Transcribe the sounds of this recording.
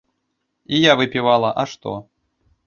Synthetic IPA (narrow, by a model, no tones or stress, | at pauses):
ijavɨpʲivalˠɐʔɐʂt̪ɔ̰